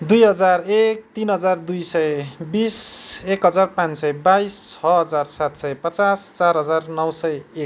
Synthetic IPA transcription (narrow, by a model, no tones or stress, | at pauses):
d̪ujɦʌd͡zarek̚t̪inɦʌd͡zard̪ujsʌjbisekɦʌd͡zarpãnsʌjbajst͡sʰʌɦʌd͡zarsat̪sʌjpʌt͡sast͡sarɦʌd͡zarnʌwsʌjek̚